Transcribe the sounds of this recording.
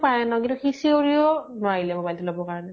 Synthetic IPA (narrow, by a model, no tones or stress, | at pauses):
pajɛnɔkintuxisioɹiɔnʊaɹilɛbɔbaltulɔbɔkaɹɔnɛ